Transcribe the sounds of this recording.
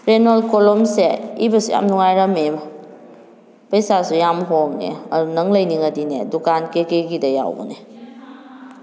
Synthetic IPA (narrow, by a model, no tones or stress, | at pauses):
ɾenolkolɔmseibɐsuja̰mnuŋajɾɐme | pɐjsasujamɦoŋnḛɐdunɐŋlɐjniŋɐdinḛdukankekeɡidɐja̰wbṵne